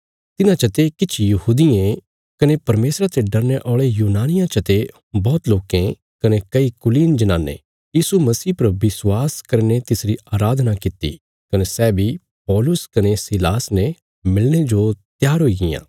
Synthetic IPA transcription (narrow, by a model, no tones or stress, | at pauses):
t̪ɪnãt͡ʃɐt̪ekɪt͡ʃʰjɐɦuːd̪ɪẽ | kɐnepɐɾmeːsɾat̪eɖɐɾneʔɔːɭejuːnaːnɪjãt͡ʃɐt̪e | bɔːt̪loːkẽ | kɐnekɐikʊliːnd͡ʒɐnaːnːḛ | jiːsumɐsiːpɐɾbɪswaːskɐɾnet̪ɪsɾiaːɾaːd̪ʱnakɪt̪ḭ | kɐnesɛːbʱi | pɔːlʊskɐnesilaːsne | mɪlɽ̃ed͡ʒot̪jaːɾɦoːiɡɪjã̰ː